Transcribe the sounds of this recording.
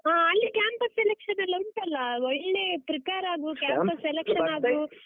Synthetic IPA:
ɦaːɐlːikʲjaːmpɐselekʂɐnɐlːɐuɳʈɐlːɐɔɭneːpɾɐkaːɾaːɡukjaːmpɐselekʂɐnaːɡu

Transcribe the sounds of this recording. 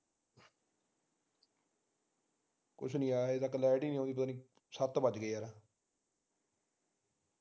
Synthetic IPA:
kʊ̰t͡ʃʰnĩːaːɦet̪akːlɛːʈiːniːõːd̪ipət̪aːniː | sət̪bəd͡ʒɡəiːɦəːɾaː

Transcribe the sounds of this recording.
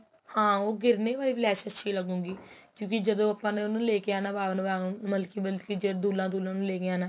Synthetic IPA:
hãːoːɡɪɾneːbaːiːplɛːʃətːʃʰiːləɡũːɡiːkjõːk̬id͡ʒəd̪õːəpːãːneːnũːleːkeaːnãːbaːʋnũbãməlkiːməlkiːd͡ʒəd̪uːlãːd̪uːlãːnũːleːkeaːnãː

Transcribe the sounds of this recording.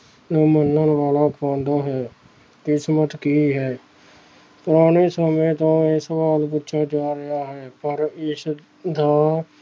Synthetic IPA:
nə̃ːmənːənʋaːlaːkʰõːnd̪aːɦɛː | kɪsmət̪kiːɦɛː | pʊɾaːneːsəmẽːt̪õːeːsəʋaːlp̬utːʃʰaːd͡ʒaːɾɪɦaːɦɛːpəɾɪs | d̪aː

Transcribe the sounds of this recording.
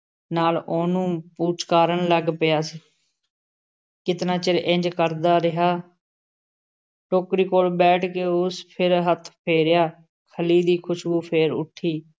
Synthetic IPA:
naːloːnũːpuːt͡ʃkaːɾəɳləɡpɪjaːsiː | kɪt̪naːt͡ʃɪɾʔɪ̃ɲd͡ʒkəɾd̪aːɾɪɦaː | ʈoːkɾiːkoːlbɛːʈʰkeːʊspʰɪɾɦət̪ʰpʰeːɾɪjaː | kʰəliːd̪iːkʰʊʃbuːpʰeːɾʊ̰ʈʰːiː

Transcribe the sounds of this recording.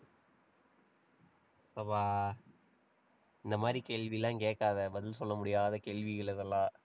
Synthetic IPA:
sɐʋaː | ɪnd̪ɐmaːd̪ɾikeːɭʋilːãːkeːkːaːðɐbɐðɪlsɔlːɐmʊɽɪjaːðɐkeːɭʋɪɣɐɭɪðɐlːãː

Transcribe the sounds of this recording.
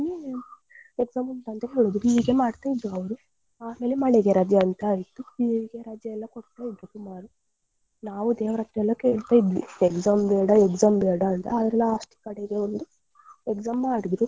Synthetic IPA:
ni | ekzaːmunt̪ɐnt̪eɦeːɭud̪ɾuiːɡemaːɽt̪aːjid̪ːuɐʋɐɾu | aːme̞ːlemɐɭeɡeɾaːd͡ʒjɐːnt̪aːit̪ːuiɡeɾaːd͡ʒjɐɛlːɐkoɽt̪ːaːjid̪ɾukumaːɾu | naːʋud̪eːʋɐɾɐt̪ːɾɛlːɐke̞ːɭt̪aːid̪ʋḭekzaːmbɛːɽɐekzaːmbɛːɽɐːnt̪ɐ̰aːd̪ɾɛlːɐʂʈi̥kɐɽeɡeond̪u | ekzaːmmaːɽid̪ɾu

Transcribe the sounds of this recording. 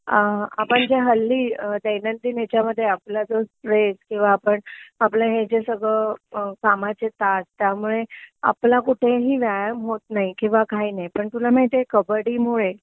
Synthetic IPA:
əapəɳd͡ʑeɦəlːiːd̪enənt̪iːnet͡ɕjaməd̪ʱːjeaplad͡zəspɾeskĩw̃ʋaːpəɳaplẽɦed͡zesəɡɭəkamat͡set̪at̪̚t̪jamuɭea̰plakuʈʰeɦiːʋjajəmɦot̪̚naikĩw̃ʋakainajpəɳt̪ulaməɭit̪ekəbəɽiːmoɭe

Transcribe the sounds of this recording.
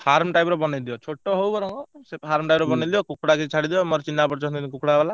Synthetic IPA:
haɾmʈajbɾɔbɔned̪iɔt͡ʃʰoʈːɔɦowbɔɾɔŋɡɔseɦaɾmʈajbɾɔbɔnid̪ibɔkukɽakit͡ʃʰaɽid̪iɔmɔɾɔt͡ʃinːapɔɾt͡ʃɔnikukɽabala

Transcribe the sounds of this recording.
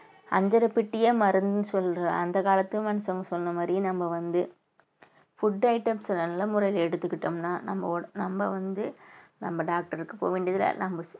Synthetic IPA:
ɐ̰ɲd͡ʒɐɾɐpɪʈːɪjeːmɐɾɯnd̪ɯnɯsɔlːɾɐɐnd̪ɐkaːlɐt̪ːɯmɐnɐsɐŋɡɐsɔnːɐmaːd̪ɾinɐmːɐʋɐnd̪ɯ | fʊɖːɐɪʈːɐmsɐnɐnlɐmʊɾɐjɪlɛɽɯt̪ːɯkːɪʈːɐmnaːnɐ̰mbɐnɐmbɐʋɐnd̪ɯnɐmbɐɖaːk̚ʈɐɾɯkːɯpo̰ːʋeːɳɖɪiɐðɪlɐ̰nɐmbɐ

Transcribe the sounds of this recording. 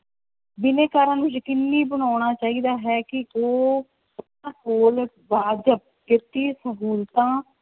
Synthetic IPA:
bɪneːkaːɾãːnũːd͡ʒəkɪnːiːbəñaːɳ̃aːt͡ʃaːiːd̪aːɦɛːkɪoː | əpnãːkoːl | baːd͡ʒəp̚kɪt̪iːsəɦuːlt̪ãː

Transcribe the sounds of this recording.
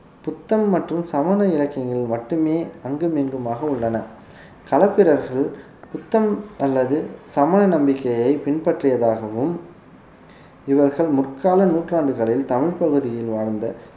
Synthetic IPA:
pʊt̪ːɐmːɐʈrɯmsɐmɐnɐɪɻɐkːɐŋɡɐɭɪmɐʈːɯmeːɐŋɡɯmeŋɡɯmaːɣɐʊɭːɐnɐ | kɐlɐpːɪɾɐɾɣɐɭ | pʊt̪ːɐmɐlːɐðɯsɐmɐnɐnɐmbɪkːɐjɐɪpɪnpɐʈrɪjɐðaːɣɐʋɯm | ɪʋɐɾɣɐɭmʊrkaːlɐnuːʈraːɳɖɯɣɐɭɪlt̪ɐmɪɻpɐɣɯðɪjɪlʋaːɻnd̪ɐ

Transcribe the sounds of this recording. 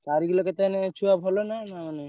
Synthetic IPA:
kaɾikilɔket̪anet͡ʃʰuabʱɔlonanamane

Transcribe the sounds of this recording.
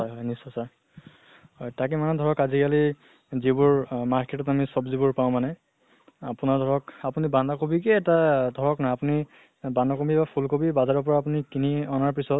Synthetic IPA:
ɦɔjɦɔjnisɔsaɹ | hɔjtak̬ɛmanɛdʱɔɹɔkazikali | zibʊɹmaɹketɔtamisɔbzibʊɹpaʊ̃manɛ | a̰punaɹdʱɔɹɔkapunibandakobikɛɛtadʱɔɹɔknajapuni | bandakobibapʰulkobibazaɹɔpɔɹaːp̬unikiniɔnaɹpɹisɔt

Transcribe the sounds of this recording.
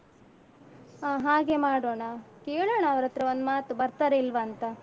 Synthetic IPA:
aɦaːɡe̞maːɽoːɳɐkeːɭoːɳɐːʋɐɾɐt̪ɾɐond̪umaːt̪ubɐɾt̪ɐɾe̞ilʋɐːnt̪ɐ

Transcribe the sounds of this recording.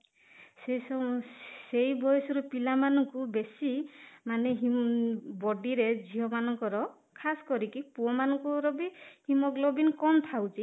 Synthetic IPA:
seɔsejbɔjɔsɔɾupilamanɔŋkubesimaneɦimbɔɖiɾed͡ʒʱiɦɔmanɔŋkɔɾɔ | kʰasɔ̥kɔɾikipuɔmanɔŋkuɾɔbihimɔklɔbinkɔmt̪ʰawt͡ʃʰi

